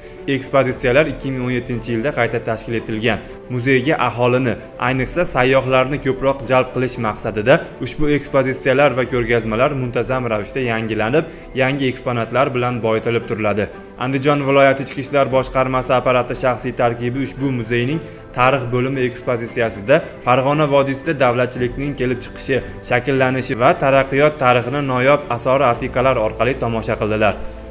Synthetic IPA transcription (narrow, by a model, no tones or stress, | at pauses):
e̞kspozit̪sijalaɾɪkʲːɪmɪŋonje̞t̪ʰːɪnt͡ʃʰɪjɪld̪aqʰɑjt̪ʰat̪ʰaʃkʲɪle̞t̪ʰɪlɡʲan | mʊze̞jɡʲaʔaɦɒlˠɪnɪ | ajnɨqsasajːɒχlaɾnɪkʲʰɵpɾɒqd͡ʒalˠp̚qʰɨlˠɪʃmaqsad̪ɪd̪aʊʃbʊe̞kspozit̪sijalaɾvakʰʲɵɾɡʲazmalaɾmʊnt̪ʰazamɾavɪʃt̪ajaŋɡʲɪlanɪp̚ | jaŋʲɪe̞ksponat̪laɾbɪlanbɒjt̪ʰɪlɪp̚t̪ʰʊɾɪlad̪ɪ | a̰nd̪ɪd͡ʒɒnvɪlˠɒjat̪ʰɪːt͡ʃkʲɪʃlaɾbɒʃqɑɾmasɪapaɾat̪ɪʃaχsijt̪ʰaɾkʲɪbɪʊʃbʊmʊze̞jnɪŋ | t̪ʰaɾɨχbɵlɪmɪe̞kspozit̪sijasɪd̪afaɾʁɒnavɒd̪ɪsɪd̪ad̪avlat̪̚t͡ʃʰɪlɪkʲnɪŋkʲe̞lɪp̚t͡ʃʰɨ̥qʰɨ̥ʃɪ | ʃakʲɪlːanɪʃɪvat̪ʰaɾɑqːɨjɒt̪ʰːaɾɨχɨnɪnɒjɒpasɒɾɪat̪ʰiqʰɑlaɾɒɾqʰɑlˠɪt̪ʰɒmɒʃaqʰɨlˠd̪ɪlaɾ